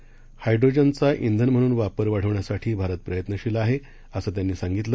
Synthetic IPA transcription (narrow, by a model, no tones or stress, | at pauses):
hajɖɾod͡ʑənt͡saʔind̪ʱənm̤əɽ̃uːnʋapəɾʋaɽ̤əʋɳjasaʈʰiːbʱaɾət̪̚pɾəjət̪nəɕiləaɦe | əsəːt̪janːiːsaŋɡit̪lə